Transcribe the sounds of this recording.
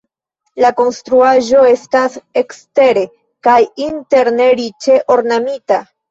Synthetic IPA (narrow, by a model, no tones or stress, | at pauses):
lako̞nst̪ɾuaʒo̞e̞stase̞kste̞ɾe̞ | kajinte̞ɾne̞ɾit͡ʃe̞ʔo̞ɾnamita